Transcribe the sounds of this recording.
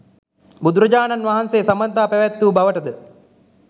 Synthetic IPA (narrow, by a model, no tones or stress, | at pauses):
bud̪uɾɐd͡ʒaːnanʋaɦanseːsɐmɐnt̪aːpæʋæt̪ːuːbaʋəʈəd̪ə